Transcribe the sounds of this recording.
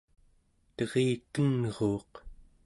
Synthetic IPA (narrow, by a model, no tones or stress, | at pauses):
t̪ʌʁeːkənʁoːq